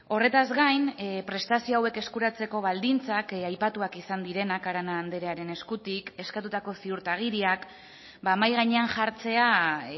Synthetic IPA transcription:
o̞re̞t̪azɣajnpɾe̞st̪asioawe̞ke̞skuɾat͡se̞ko̞βald̪int͡sakajpat̪uakisand̪iɾe̞nakaɾanaːnd̪e̞ɾeaɾe̞ne̞skut̪ike̞skat̪ut̪ako̞siuɾt̪aɣ̞iɾiak | baːmajɣ̞aɲe̞anʝaɾt͡se̞a

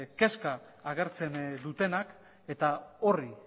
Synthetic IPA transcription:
ke̞skaː | ɣ̞e̞ɾt͡se̞nd̪ut̪e̞nak | e̞t̪ao̞ri

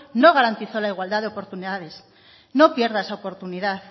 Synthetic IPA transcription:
no̞ɣ̞aɾant̪iθo̞laiɣwald̪aðeo̞po̞ɾt̪uniðaðe̞s | no̞pje̞ɾðaesaopo̞ɾt̪uniðaθ

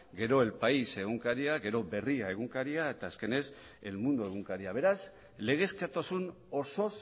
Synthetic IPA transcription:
ɡe̞ɾo̞e̞lpaise̞ɣuŋkaɾiaɡe̞ɾo̞be̞riae̞ɣuŋkaɾiae̞t̪aːske̞ne̞s | e̞lmũnd̪oe̞ɣuŋkaɾiaβ̞e̞ɾas | le̞ɣ̞e̞skat̪osun | o̞so̞s

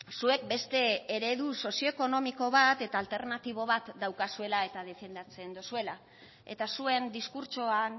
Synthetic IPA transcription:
sue̞k̚be̞st̪e̞ːɾe̞ðuso̞sio̞eko̞no̞miko̞βat̪e̞t̪aːlt̪e̞ɾnat̪iβ̞o̞β̞at̪d̪awkasue̞lae̞t̪að̞e̞fe̞nd̪at͡se̞nd̪osue̞la | e̞t̪asue̞nd̪iskuɾt͡ʃoan

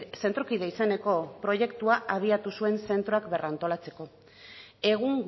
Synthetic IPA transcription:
se̞nt̪ɾokiðeise̞ne̞ko̞pɾo̞ʝe̞kt̪uaʔaβ̞iat̪usue̞nse̞nt̪ɾoakberant̪o̞lat͡se̞ko̞ | e̞ɣuŋ

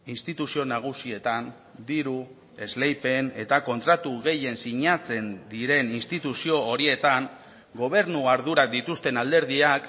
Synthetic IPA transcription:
inst̪it̪usio̞naɣ̞usie̞t̪an | d̪iɾu | e̞zle̞jpe̞ne̞t̪ako̞nt̪ɾat̪uɣe̞je̞nsiɲat͡se̞nd̪iɾe̞ninst̪it̪usio̞ːɾie̞t̪aŋ | ɡo̞β̞e̞ɾnuaɾðuɾak̚d̪it̪ust̪e̞nald̪e̞ɾð̞iak

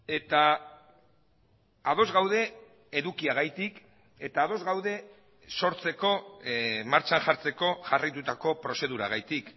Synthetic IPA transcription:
e̞t̪a | að̞o̞zɣawð̞e̞ː | ðukiaɣ̞ajt̪ik | e̞t̪aːð̞o̞zɣawðe̞ | so̞ɾt͡se̞ko̞ | maɾt͡ʃaŋʝaɾt͡se̞ko̞ʝarajt̪ut̪ako̞pɾo̞se̞ð̞uɾa̰ɣ̞ajt̪ik

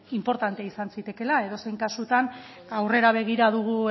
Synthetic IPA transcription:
impo̞ɾt̪ant̪eaisansit̪e̞ke̞lae̞ðo̞sejŋkasut̪an | awre̞ɾaβ̞e̞ɣ̞iɾaðuɣ̞u

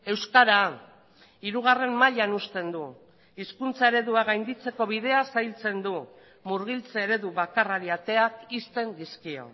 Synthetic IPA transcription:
e̞wskaɾa | iɾuɣ̞are̞mmaʎanust̪e̞nd̪u | iskunt͡sae̞ɾe̞ðuaɣajnd̪it͡se̞ko̞βið̞e̞asajlt͡se̞nd̪u | muɾɣilt͡saeɾe̞ðuβakaraɾiat̪e̞akist̪e̞nd̪iskio̰

